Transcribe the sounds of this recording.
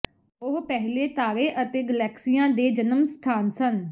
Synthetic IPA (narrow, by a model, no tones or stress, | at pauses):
ʊɦpɛɦleːt̪aːɾeːʔət̪eːɡəlɛːksijãːd̪eːd͡ʒənəmst̪ʰaːnsən